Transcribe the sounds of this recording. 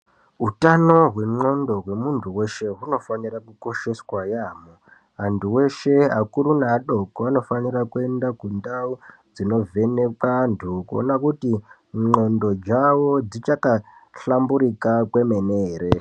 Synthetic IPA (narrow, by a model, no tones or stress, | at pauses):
ɦutano̞ɦwe̞ŋ͡ǃo̞ndo̞ɦwe̞muntʰuwe̞ʃe̞ɦuno̞fanirakuko̞ʃe̞swajaːmo | ɦantʰuwe̞ʃe̞ɦakuɾunaːɗo̞koano̞fanirakue̞ndakundau | d͡zino̞ve̞nekantʰukuo̰nakuti | ŋ͡ǃo̞ndo̞d͡ʒawo̞d͡zit͡ʃakaɬambuɾikakwe̞me̞neːɾe